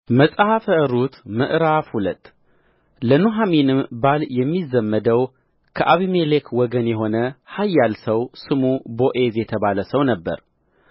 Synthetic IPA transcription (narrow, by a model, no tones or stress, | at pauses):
məsʼhafəɨɾut̪məʔɾafhulət̪ː | lənuɦaminɨmbaljɛmːizəmːəd̪əw | kʰəʔaβimelekʰwɔɡənjɛɦo̞nəhajːalsəwsɨmubo̞ʔezjɛt̪ʰəβaləsəwnəbːə̰ɾ